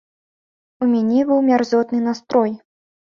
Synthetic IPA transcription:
umʲanʲɛbɨwmʲarzɔt̪nɨnast̪ɾɔj

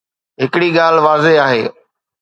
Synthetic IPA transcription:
ɦɪkɪɽiːɠaːlʋaːzeaːɦeː

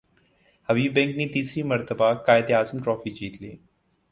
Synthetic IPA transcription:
ɐʋiːbɛ̃ŋknit̪iːsɾimɐɾt̪əbakaːjɪd̪eaːzəmʈɾɔːfit͡ʃiːt̪liː

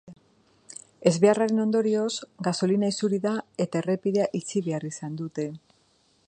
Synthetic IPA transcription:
e̞zβe̞araɾe̞no̞nd̪o̞ɾio̞zɡaso̞linaisuɾiðae̞t̪ae̞re̞piðe̞aʔit͡siβe̞arisand̪ut̪e̞

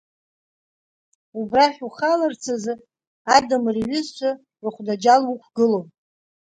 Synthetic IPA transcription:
ubraħʲᶣuχalart͡sʰazɨ | adamriɥʏzt͡ʃʷʰa | rɨχʷdad͡ʒalwukʷʰɡɨlowm

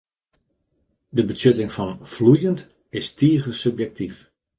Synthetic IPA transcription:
dəbəsøtɪŋfɔnflujənt | ɪstiəɣəsøpjɛk̚tif

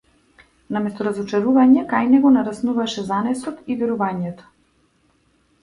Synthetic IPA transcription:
namɛst̪ɔɾazɔt͡ʃaɾuvaɲɛkajnɛɡɔnaɾasnuvaʃɛzanɛsɔt̪ivɛɾuvaɲɛt̪ɔ̥

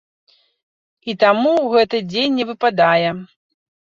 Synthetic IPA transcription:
it̪amuwɣɛt̪ɨd͡zʲenʲːɛvɨpad̪ajɛ

